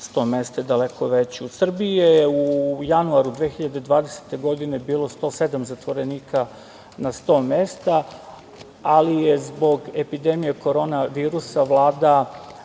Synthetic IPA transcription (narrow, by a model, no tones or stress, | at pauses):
st̪o̞ːmest̪ed̪ale̞kʰo̞ʋet͡ɕiusr̩biejeujanuaɾud̪ʋexiʎad̪e̞d̪ʋaːd̪e̞se̥t̪e̞ɡo̞d̪ine̞biːlˠo̞st̪o̞ːse̞d̪amzat̪ʋo̞ɾe̞niːka | nast̪o̞ːme̞ːst̪a | alije̞zbo̞ɡe̞pid̪e̞mije̞ko̞ɾo̞ːnaʋiːɾusaʋlˠaːd̪a